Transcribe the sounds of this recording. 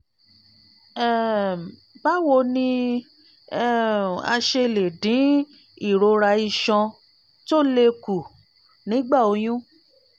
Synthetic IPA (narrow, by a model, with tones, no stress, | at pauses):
ɛ˦˨ | ba˦wo˧˨nĩ˧˦˨ | a̰˧ʃe˧le˨dĩ˨˦ | i˦˨ɾo˧ɾa˧i˧ʃɔ̃˧ | to˦˨le˧ku˨ | nĩ˨˦ɡ͡ba˦˨o˧j̃ũ˦